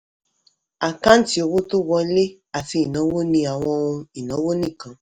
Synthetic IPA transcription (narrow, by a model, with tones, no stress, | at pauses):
a˨kã˦n̩˦ti˦o˧wo˦to˦wɔ˧˦le˦ | a˨fĩ˧i˨nɔ̃˨˦wo˦nĩ˧a˨w̃ɔ̃˧ũ˧i˨nɔ̃˨˦wo˦nĩ˦˨kã˨˦